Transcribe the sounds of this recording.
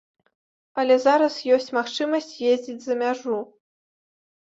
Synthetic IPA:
ɐlʲɛzaɾɐsjɔsʲt͡sʲmaxt͡ʂɨmɐsʲt͡sʲjezʲd͡zʲid͡zʲzɐmʲaʐu

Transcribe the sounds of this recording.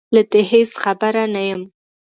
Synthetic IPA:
lad̪eɦesxabaɾanajəm

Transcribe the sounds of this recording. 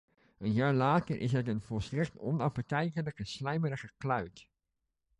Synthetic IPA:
ənjaːɹlaːtəɹʔɪ̰sɦətənvɔlˠstrɛktɔnɑpətɛjkələkəslɛjməɾəχəklœɥt

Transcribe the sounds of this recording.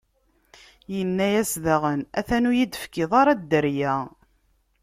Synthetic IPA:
jənːæjæsðæʁənæθænujid̪əfkɪðˤɑɾˤɑd̪ːəɾjæ

